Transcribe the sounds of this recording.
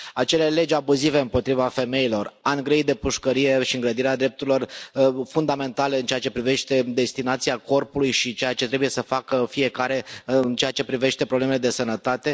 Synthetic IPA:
at͡ʃe̞le̞le̞d͡ʒabuzive̞ɨmpo̞t̪ɾivafe̞me̞jilo̞raŋɡɾejd̪e̞puʃkəɾije̞ʃiɨŋɡɾəd̪iɾead̪ɾe̞p̚t̪uɾilo̞rfund̪ame̞nt̪ale̞ɨnt͡ʃejat͡ʃe̞pɾive̞ʃt̪e̞d̪e̞st̪inat̪siako̞rpulujʃit͡ʃe̞jat͡ʃe̞t̪ɾebuje̞səfakəfije̞kaɾe̞ɨnt͡ʃe̞jat͡ʃe̞pɾive̞ʃt̪e̞pɾoblemele̞d̪e̞sənət̪at̪e̞

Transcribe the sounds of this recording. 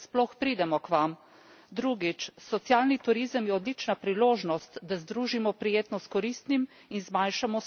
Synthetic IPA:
splɔxpɾiːd̪ɛmɔkʋam | d̪ɾuɡit͡ʃsɔt̪sjaːlnit̪uɾizəmjɛɔd̪lit͡ʃnapɾiloːʒnɔst̪d̪azd̪ɾuːʒimɔpɾijeːt̪nɔskɔɾist̪nim | inzmajnʃamɔ

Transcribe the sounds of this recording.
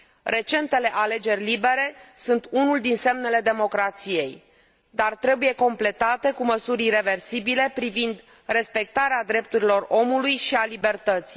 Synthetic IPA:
re̞t͡ʃe̞nt̪e̞le̞ʔale̞d͡ʒe̞rʲlibe̞ɾe̞sunt̪unuld̪inse̞mne̞le̞d̪e̞mo̞kɾat̪sije̞j | d̪art̪ɾe̞buje̞ko̞mple̞t̪at̪e̞kuməsuɾre̞ve̞rsibile̞pɾivind̪ | re̞spe̞k̚t̪aɾead̪ɾe̞p̚t̪uɾilo̞ro̞mulujʃialibe̞rt̪ət̪si̥

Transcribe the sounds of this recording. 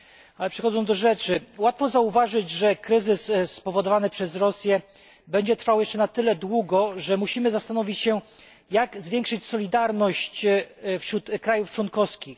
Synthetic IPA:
alɛpʂɛxɔd̪zɔ̃w̪̃d̪ɔʐɛt͡ʂɘwat̪fɔzauvaʐɘd͡ʑʐɛkɾɘzɘsspɔvɔd̪ɔvanɘpʂɛzɾɔsʲjɛ | bɛɲd͡ʑɛt̪ɾfawjɛʂt͡ʂɛnat̪ɘlɛd̪wuɡɔʐɛmuɕimɘzast̪anɔvʲit͡ɕɕɛ | jaɡzvʲjɛŋkʂɘt͡ɕsɔlʲid̪aɾnɔɕt͡ɕfɕɾut̪kɾajuft͡ʂwɔnkɔfskʲix

